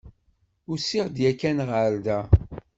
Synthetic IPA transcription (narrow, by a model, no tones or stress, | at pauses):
ʊsiʁd̪jækːænʁəɾd̪æ